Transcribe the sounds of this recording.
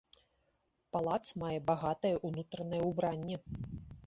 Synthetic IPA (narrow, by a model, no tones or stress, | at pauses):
palˠat̪smajɛbaɣat̪ɐjɛʔunut̪ɾɐnɐjɛubɾanʲːɛ